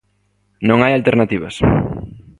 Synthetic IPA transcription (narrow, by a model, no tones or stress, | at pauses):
nõŋajalt̪eɾnat̪iβ̞ɐ̰s